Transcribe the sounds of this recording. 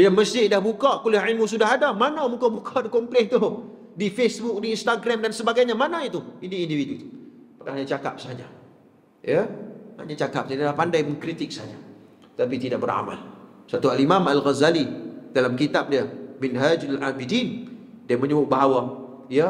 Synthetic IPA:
jaməsɪhdahbukaʔkulɪhilmusudaɦadamanamukabukʰaʔdikomplɛht̪ʊ | difesbʊk̚diːnst̪aɡɾamdansəbaɡajɲamanait̪uiniindividut̪u̥ | pakaaɲat͡ʃaka̰p̚səɦad͡ʒa | jaha̰ɲat͡ʃakap̚salahpandajməŋkɾit̪ɪk̚səɦad͡ʒa | t̪apit̪idaʔ̚bəɾa̰ma̰lsat̪ualimamalɣazalidalamkit̪ap̚diamɪnɦad͡ʒalʔamidin | diaməɲəbʊʔ̚baɦawa | ja

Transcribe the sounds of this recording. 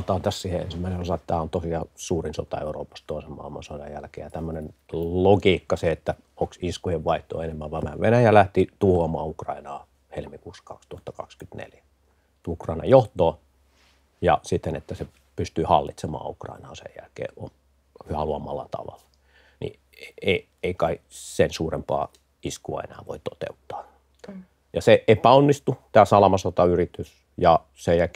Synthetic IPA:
ot̪ɑːt̪æssiːheḛnsimːæˑinenosɑet̪t̪æːont̪osiɑsuːrinso̰t̪ɑ̰euro̰ːpɑst̪t̪oˑisemmɑ̰ˑilmɑ̰nsodɑjjælkḛːjɑt̪æmːønenloɡiːkːɑseet̪ːæ | oksiskujeʋʋɑiht̪ːˑo̰ːenemːæʋʋɑʋmæʋʋenæjælæht̪it̪uhoɑmɑːukrɑ̰inɑː | helmikuːsːɑ̥kɑ̰kst̪uhɑt̪ːɑkɑ̰kskyt̪nḛljæ | t̪ukrɑinɑ̰jjoht̪oː | jɑsit̪ːenet̪ːæse | pyst̪yːhɑlːit̪semɑ̰ːukrɑ̰inɑːsḛjjæ̰lkḛːo̰n | hyæluɑmɑlːɑt̪ɑ̰ʋɑ̰lːɑ̥ | nḭ | eei | eikɑisensuːrempɑ̰ː | iskuɑ̰ḛnæ̰ːʋo̰it̪ot̪ḛut̪ːɑ̥ː | jɑseʔepæonːist̪ut̪æːsɑlɑmɑsot̪ɑyrit̪ys | jɑ | sejælkː

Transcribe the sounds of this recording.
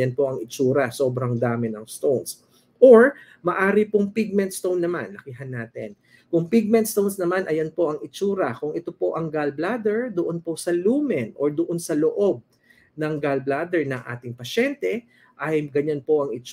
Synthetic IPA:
jɐnpo̞ʔɐŋɪt͡ʃuːɾɐso̞ːbɾɐŋd̪aːmɪnɐŋst̪owns | ʔoɹ | mɐʔaːɾɪpoŋpiɡ̚mɛnt̪st̪ownːɐmanlɐkiɦɐnːaːt̪ɛ̰n | kʊŋpiɡ̚mɛnt̪st̪ownsnɐmanʔɐjɐnpo̞ʔɐŋɪt͡ʃuːɾɐkʊŋʔɛt̪opo̞ʔɐŋɡalblad̪ɛɹd̪ʊʔonpo̞sɐluːmɛnʔoɹd̪ʊʔonsɐloʔob̚ | nɐŋɡalblad̪ɛɹnɐŋʔa̰ːt̪ɪŋpɐʃɛnt̪ɛ | ʔɐjɡɐɲanpo̞ʔɐŋɪt͡ʃ

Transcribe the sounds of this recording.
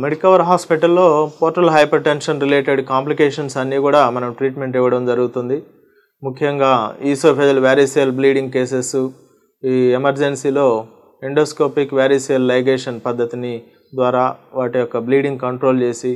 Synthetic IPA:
meɽikɐʋɐɾɦaːspiʈɐlːo̞ːpoːɾʈɐlɦɐjpɐɾʈenʃɐnɾileːʈeɖkaːmplikeːʂɐnsɐnːiːkuːɽaːmɐnɐmʈɾiːʈmeɳʈɛʋːɐɽɐmd͡ʒɐɾuɡut̪und̪i | mukʰːjɐŋɡaːiːsoːpʰeːd͡ʒɐlʋaːɾisijɐlbliːɖiŋɡ̚ke̞ːs̬esu | iːemɐɾd͡ʒensiːlo̞ː | iɳɖoːskoːpikʋjaːɾiːsijɐlːɐjɡeːʂɐnpɐd̪ʱːɐt̪ini | d̪ʋaːɾaːʋaːʈijɔkːɐbliːɖiŋɡkɐɳʈɾoːlt͡ʃe̞ːsi

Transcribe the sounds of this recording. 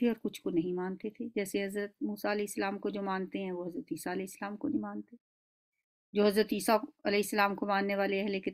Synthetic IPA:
eɔːɾkʊt͡ʃʰkonɐɦĩmaːnt̪et̪ʰed͡ʒɛːseɦɐzɾət̪̚muːsaɐlɛːɪsːəlaːmkod͡ʒoːmãːnt̪eɦɛ̃ʋoɦɐzɾət̪iːsaɐlɛːɪsːəlaːmkonɐɦĩmaːnt̪e | d͡ʒoːɦɐzɾət̪iːsaɐlɛːɪsːəlaːmkomãːnːeʋaːleɛɦleke

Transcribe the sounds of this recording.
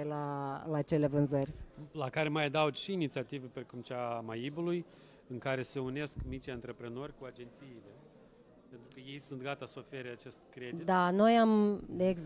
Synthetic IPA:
elalaːt͡ʃe̞le̞vɨnzərʲlakaɾe̞majad̪awd̪ʃiːnit̪siat̪ivepɾekumt͡ʃamajibuluj | ɨŋkaɾe̞se̞une̞skmit͡ʃeɨnt̪ɾe̞pɾeno̞rʲkuad͡ʒe̞nt̪siːle̞ | pe̞nt̪ɾukəje̞jsunt̪ɡat̪asəofe̞ɾeat͡ʃe̞st̪kɾedid̪ano̞jamd̪eːɡz

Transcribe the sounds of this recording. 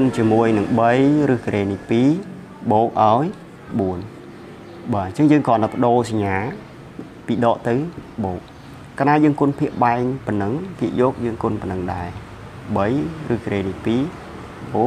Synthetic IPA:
ont͡ɕiəmuəjnɨŋɓəjrɨːhkrʔeːnipiː | ɓoːk̚ʔaɔj | ɓuən | ɓaːnt͡ɕəŋjəːŋkɔnːapə̆ɗoːsaɲːaː | piːɗɑːʔt̪ɨwɓoːk̚ː | anaːjəːŋkʊ̆ənpʰiəʔɓaɛŋpənɨŋpʰiəʔjɔːk̚jəːŋkonpənɨŋɗaɛ | ɓəjrɨːhkreːnipiː | ɓoːk̚

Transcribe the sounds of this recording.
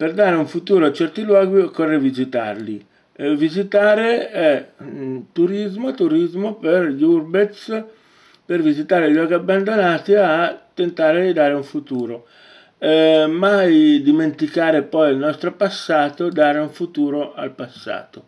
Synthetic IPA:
perd̪aːɾeuɱfut̪uːɾoat͡ʃːɛrt̪ilwɔːɡikɔrːevizit̪a̰rli | vizit̪aːɾeɛ | t̪uɾizmoat̪uɾizmoperʎurbet̪s | pervizit̪aːɾeʎɔːɡ̟iabːand̪onaːt̪iat̪ːent̪aːɾed̪id̪aːɾeuɱfut̪uːɾo | ɛmajd̪iment̪ikaːɾepɔjalnɔst̪ɾopasːaːt̪od̪aːɾeuɱfut̪uːɾoa̰lpasːa̰ːt̪o

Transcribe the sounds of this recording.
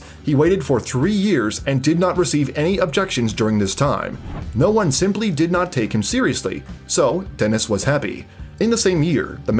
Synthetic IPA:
hiweɪɾɨd̥fə˞θɹijɪɹzɨ̃ndɨdⁿnət̚ɹɨsivɛñiʔəb̚d͡ʒɛkʃɨ̃nzdʊɹɪ̃ŋðɪstʰãɪ̃mnoʊwʌ̃nsɪ̃mplidɨdⁿnətʰeɪkhɨ̃m̩sɪɹiɨslḭsoʊd̥ɛnɨswʌz̥hæpḭɨ̃nðəsẽɪ̃mjɪɹðəm

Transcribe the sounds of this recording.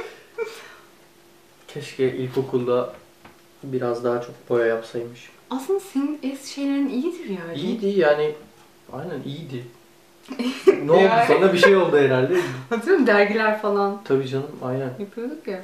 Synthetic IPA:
cʰɛʃcʰɛʔilʲcʰo̞kʰulˠd̪a | biɾazd̪aɦat͡ʃʰo̞k̚bo̞jajapsajmɯʃ | asɯnd̪asinnɛsʃe̞jlʲe̞ɾinijid̪iɾjaːijid̪ijaːnɪ | a̰jnænʔijid̪ɪ | nɛolˠusand̪abiʃejo̞lˠd̪uɛɾælʲd̪ɛhad̪ɾmd̪æɾɟilʲæɾfalˠant̪ʰabiːd͡ʒanɯmajnænjapʰɯjod̪ukja

